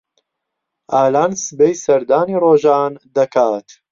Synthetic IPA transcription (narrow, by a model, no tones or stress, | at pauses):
ʔaːlaːnsɨbejsɐɾd̪aːniːroːʒaːnd̪ɐkʰaːt̪